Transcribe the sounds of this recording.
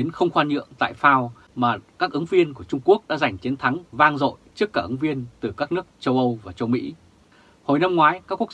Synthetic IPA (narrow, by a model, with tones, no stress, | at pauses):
i˨˦ənxə˧wŋ͡mxwaː˧nɲɨ̰˧˨əŋt̪a̰ː˧˨jfaː˧w | maː˨˩kaː˦˥k̚ʔɨ˨˦ŋvi˧ənku˧˩ət͡ɕʊ˧ŋ͡mku˦˥ək̚ɗa̰ː˧˥za˨˩jŋ̟t͡ɕi˨˦ənt̪ʰa˨˦ŋvaː˧ŋzo̰˧˨jt͡ɕɨ˦˥kːaː˧˩ʔɨ˨˦ŋvi˧ənt̪ɨ˨˩kaː˦˥k̚nɨ˦˥ək̚t͡ɕə˧wʔə˧wvaː˨˩t͡ɕə˧wmḭ˧˥ | ho˨˩jna˧mŋwaː˨˦jkaː˦˥kːu˦˥ək